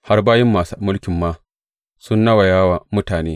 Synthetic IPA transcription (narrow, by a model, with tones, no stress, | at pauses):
ha˦rbaː˦jɪ˦mːaː˨su˦mʊ˦lkʲɪ˨mːaː˦ | sʊ˦nːɐ˦wa˨jaː˦waː˨mʊ˦taː˨neː˦